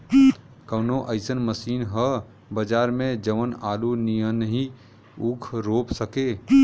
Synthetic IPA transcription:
kəʊnoʔəɪsənməsiːnɦə | bəd͡ʒaːɾmẽd͡ʒəʋənaːlunijənəɦĩ | ukʰɾoːpsəke

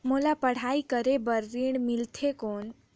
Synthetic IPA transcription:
molapəɽ̤aikəɾebəɾːiɽ̃mɪlt̪ʰekoːn

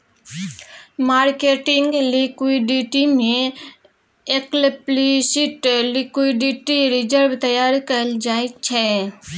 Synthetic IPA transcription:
maːɾkeːʈɪŋɡlikiɖiʈimẽ | eklplisɪʈlɪkiɖiːʈiɾɪd͡ʒəɾʋt̪əjaːɾkəld͡ʒaːit͡ʃʰɛ

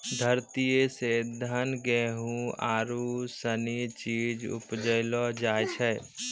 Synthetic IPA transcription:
d̪ʱəɾt̪ijesed̪ʱənɡɛɦũaːɾusənit͡ʃiːd͡ʒʊ̰pd͡ʒəɪlɔd͡ʒaːjt͡ʃʰɛː

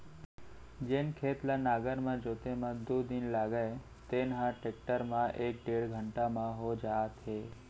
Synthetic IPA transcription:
d͡ʒenkʰet̪lanaɡəɾmãd͡ʒot̪emãd̪od̪inlaɡəe | t̪enɦãʈek̚ʈəɾmãʔek̚ɖeɭɡʱəɳʈamãɦod͡ʒaːt̪ɦe

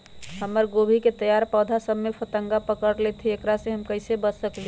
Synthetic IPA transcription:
ɦəmːəɾɡobʱiket̪əjaɾpəd̪ʱasəbmepʰət̪əŋɡapəkəɾlɛt̪ʰiekɾasẽɦəmkəɪsebəsəkli

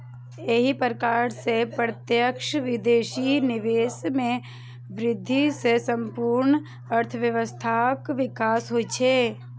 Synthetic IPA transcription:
eɦipəɾkaːɾsepɾət̪jəkʃʋɪd̪eːʃinɪʋeːsmẽ | ʋɾɪd̪ʱːisesə̃mpuːɾɳ | əɾt̪ʰəʋjəʋəst̪ʰakʋɪkaːsɦoːit͡ʃʰeː

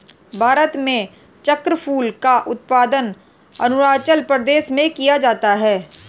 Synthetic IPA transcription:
bʱaːɾət̪mẽ | t͡ʃəkɾəpʰuːlkaʔʊt̪̚paːd̪ən | ɐnʊɾaːt͡ʃəlpɾəd̪eːʃmẽkijad͡ʒaːt̪aɦɛː

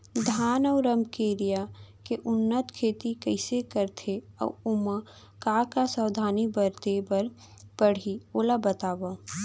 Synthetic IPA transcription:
d̪ʱaːnɔːɾəmkeːɾijakeʔʊnːət̪kʰeːt̪ikəɪsekəɾt̪ʰeɔ̰ʊma | kaːkasəwd̪ʱaːnibəɾt̪ebəɾ | b̥əɽ̤ioːlabət̪aːba

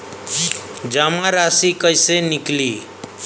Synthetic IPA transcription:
d͡ʒamãɾaːsikəjsenɪkliː

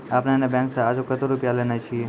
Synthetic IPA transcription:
apnanebɛ̃ŋksaad͡ʒokət̪oɾupjalenat͡ʃʰie

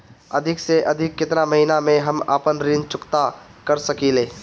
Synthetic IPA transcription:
ɐd̪ʱɪkseʔɐd̪ʱɪkːɪt̪namɐɦinamẽɦɐmaːpənɾɪnt͡ʃʊkt̪a | kɐɾsɐkiːleː

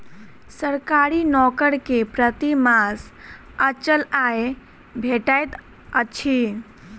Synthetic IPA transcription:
səɾkaɾinɔkəɾkepɾət̪imas | ət͡ʃəlae | bʱeʈajt̪ | ət͡ʃʰi

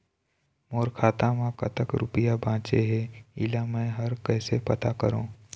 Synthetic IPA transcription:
moːɾkʰaːt̪ãʋãkɐt̪əkɾʊpɪjabʱãːt͡ʃeɦɛɪ̰lamɛ̃ɦɐɾkɛːsepɐt̪akəɾõː

